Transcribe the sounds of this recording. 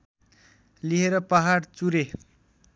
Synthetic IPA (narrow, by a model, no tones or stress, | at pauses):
liɦeɾʌpʌɦaɽt͡suɾe